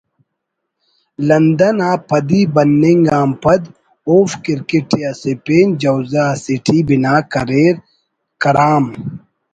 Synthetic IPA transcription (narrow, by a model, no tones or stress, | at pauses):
lɐnd̪ɐnaːpʰɐd̪ibɐnːeŋɡaːmpɐd̪ | oːfkiɾkiʈiɐsepeːnd͡ʒɐwzasiʈʰibinaːkɐɾeːɾ | kɐɾaːm